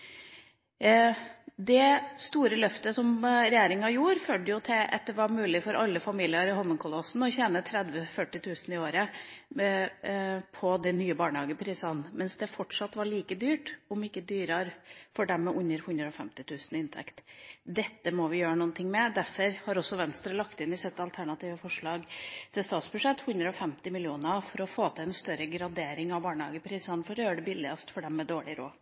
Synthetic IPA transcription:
d̪ɛst̪uːɾəlœft̪əsɔmɾɛjeːɾɪŋɑjuːɾføːɖ̪əjʊt̪ʰɪlʔɛ̰t̪d̪əʋɑɾmʉːlɪfɔɾʔɑlːəfɑmiːlɪəɾɪhɔmːənkʰʊlɔsn̩ɔçɛnət̪ʰɾɛd̪ʋəfœʈːɪt̪ʰʉːsn̩ɪoːɾə | pʰɔd̪ɛnyːəbɑːɳəhɑːɡəpʰɾiːsɑnmɛnsd̪ɛfɔʈʂɑt̪ːʋɑɭiːkəd̪yːʈʊmɪkːəd̪yːɾɑɾfɔɖɛmːɛʔʉnːəɾhʉnd̪ɾəɔfɛ̰mt̪ɪt̪ʰʉːsnɪnt̪ʰɛ̰kt̪d̪ɛt̪ːəmɔʋɪjøːɾənuːənt̪ʰɪŋːmɛd̪æfɔɾhɑɾɔsːɔʋɛnst̪ɾəlɑkt̪ɪnɪsɛt̪ːɑlt̪ʰæɳɑt̪ʰiːʋəfɔʂɭɑːɡt̪ʰɪlst̪ɑːt̪sbʉʂɛt̪ːhʉnd̪ɾəɔfɛmt̪ɪmɪlɪuːnəɑfɔɾɔfoːt̪ʰɪɛnst̪œɾəɡɾɑd̪eːɾɪŋɑʋbɑːɳəhɑ̰ːɡəpʰɾiːsɑnfɔɾøːɖəbɪlːɪɑst̪fɔɖɛmːɛd̪oːɭɪɾo̰ː

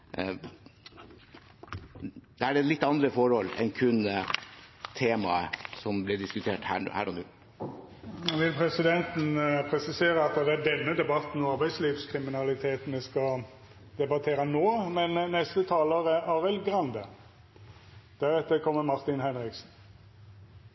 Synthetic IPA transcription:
d̪̥ɛæɖɛlɪt̪ːɑnd̪ɾəfɔɾɔlːɛ̰nkʰʉn | t̪ʰeːmɑə̰sɔmblɪɖɪskʉt̪ʰeːʈhæ̰ːhæ̰ːɾʔɔnʉ̰ː | ʋɪlpʰɾɛsɪd̪ɛnt̪n̩pʰɾɛsɪseːɾəɑt̪ːd̪ɛæɖɛnːəd̪ɛbɑt̪n̩ɔɑɾbæɪsliːʋskʰɾɪmɪnɑlɪt̪ʰeːt̪n̩ɛskɑ | d̪̥ɛbɑt̪ʰeːɾənoːmɛnnɛst̪ət̪ʰɑːləɾəʔɑːɾɛlɡɾɑnd̪ə | d̪̥æɾɛt̪ːəɾkʰɔmːəmɑɾt̪ɪnhɛnɾɪksn̩

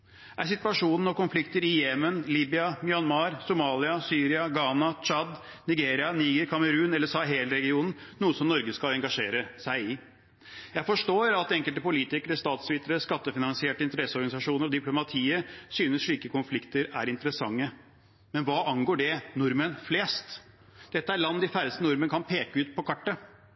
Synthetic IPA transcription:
ʔæsɪt̪ʋɑʂuːnnəɔkʊnflɪkt̪əɾɪjɛmənliːbɪɑmɪɑnmɑːɾsʊmɑːlɪɑsyːɾɪɑɡɑːnɑt͡ʃɑd̪ | nɪɡeːɾɪɑniːɡəɾkʰɑməɾʉːnɛlːəsɑɦeːləɾɛɡɪuːnn̩nuːəsɔmnɔɾɡəskɑlɛŋɡɑʂeːɾəsæɪɪ | jæɪfɔʂʈoːɾɑt̪ɛŋkəlt̪əpʊliːt̪ɪkəɾəst̪ɑːt̪sʋɪt̪ːəɾəskɑt̪ːəfɪnɑnsɪeːʈəɪnt̪əɾɛsːəɔɾɡɑnɪsɑʂuːnəɾɔd̪ɪplʊmɑt̪ʰiːəsyːnəsʂɭiːkəkʊnflɪkt̪əɾæ̰ɾɪnt̪əɾəsɑŋːə | mɛnʋɑːʔɑŋɡoːɖɛnʊɾmənfleːst̪ | d̪̥ɛt̪ːəæɾɭɑnd̪ɪfæɾəst̪ənʊɾmənəkʰɑnpʰeːkəʉːt̪pʰɔkʰɑʈːə

